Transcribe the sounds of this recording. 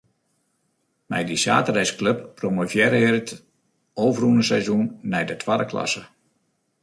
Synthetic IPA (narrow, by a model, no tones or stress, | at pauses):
mɛ̰jdisa̰ːtərɛjskløp̚ːromofjɛɾɪːrt | oːvrunəsɛjzunːɛjdətʰwadəkla̰sə